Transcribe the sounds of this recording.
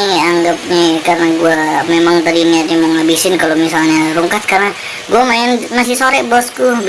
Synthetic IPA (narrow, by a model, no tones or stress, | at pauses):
aŋɡap̚ɲikaɾənaɡuamemaŋt̪adiniat̪̚ɲamɔŋɦabisɪnkalomisalɲaɾuŋkat̪̚karna | ɡuamaɪnmasisoɾɛbɔsku